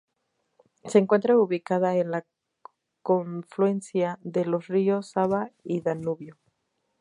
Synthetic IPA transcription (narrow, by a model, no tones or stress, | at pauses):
se̞ŋkwe̞nt̪ɾauβikað̞ae̞nla | ko̞ɱflue̞nθjaðe̞lo̞srio̞saβaiðanuβjo